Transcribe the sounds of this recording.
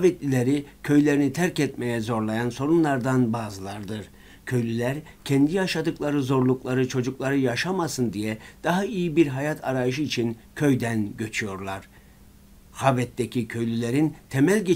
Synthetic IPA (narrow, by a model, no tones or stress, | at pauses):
vɛt̪lʲilʲeɾicʰø̞jlʲe̞ɾinit̪ʰæɾcɛt̪mejɛzo̞ɾlˠajanso̞ɾunlˠaɾd̪anbaːzɯlˠaɾd̪ɯɾ | cʰø̞jlʲylʲæɾ | cʰɛnd̪ijaʃad̪ɯklˠaɾɯzo̞ɾlˠuklˠaɾɯt͡ʃʰo̞d͡ʒuklˠaɾɯjaʃamasɯnd̪ijɛd̪̥aɦaijibiɾɦajat̪ʰaɾajɯʃ̬ɯit͡ʃʰincʰø̞jd̪ænɟø̞t͡ʃʰyjo̞ɾlˠaɾ̥ | havɛt̪ːecʲʰicʰø̞jlʲylʲeɾint̪ʰemælʲɟe